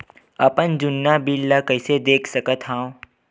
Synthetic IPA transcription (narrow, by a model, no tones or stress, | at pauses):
ɐpənd͡ʒʊnːabilːakəɪsed̪eːkʰsɐkət̪ɦãːõ